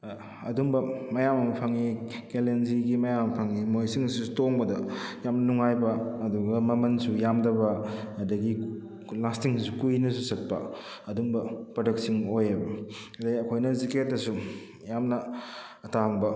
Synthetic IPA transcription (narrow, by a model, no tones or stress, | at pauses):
ɐduŋbɐmɐjamɐmpʰɐŋikelenziɡimɐjampʰɐŋimojsiŋsutoŋbɐdɐjamnɐnuŋajbɐːduɡɐmɐmɐnsujamdɐβɐɐdɐɡi | lastiŋsukujnɐsusɐt̚pɐ̰ | ɐduŋbɐpɾodeksiŋojebɐɐdɐɡiɐkʰojnɐziket̚dɐsu | jamnɐː | taŋbɐ